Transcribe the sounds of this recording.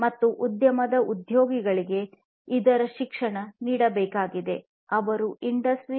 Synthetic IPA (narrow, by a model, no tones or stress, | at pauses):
mɐt̪ːuʔud̪jɐmɐd̪ɐʔud̪joːɡiɡɐɭiɡe̞ | id̪ɐɾɐʃikʂɐɳɐniːɽɐbɛːkaːɡid̪e̞ | ɐʋɐɾuʔiɳɖɐsʈɾi